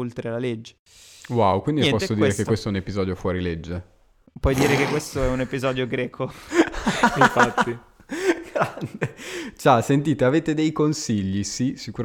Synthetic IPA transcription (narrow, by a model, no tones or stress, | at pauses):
olt̪ɾelaled͡ʒːe | wawkwind̪iɛpɔsod̪ɾekekwest̪oɛunepizɔːd̪jofwɔːɾiled͡ʒːe | pwɔjd̪iːɾekekːwest̪oɛunepizɔːd̪joɡɾɛːkʰo | ifat̪ːi | ɡɾand̪et͡ʃasent̪iːt̪eaveːt̪ed̪ejkonsiʎːisisikuɾ